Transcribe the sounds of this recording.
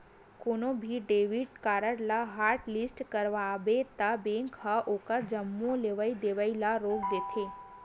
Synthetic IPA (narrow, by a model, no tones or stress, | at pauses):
koːnõbʱiɖeːʋɪʈkaːɾəɽlaɦaːɾʈlɪsʈkəɾʋaːbet̪abẽːŋkʰɦaʔoːkəɾd͡ʒɐmːõleːʋəid̪eːʋəilaɾoːkd̪eːt̪ʰeː